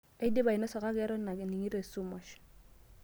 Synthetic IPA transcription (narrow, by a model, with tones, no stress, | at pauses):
e˦de˦ba˨i˨nɔ˦sɔ˨ka˦kɛ˨˦ɾɔ˦na˨kni˨ŋi˦ɾe˨su˦mɔ˨ʃ